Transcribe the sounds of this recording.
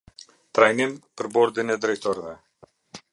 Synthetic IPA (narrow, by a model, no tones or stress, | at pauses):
t̪ɾajnimpəɾbɔɾd̪inɛd̪ɾɛjt̪ɔɾɛvɛ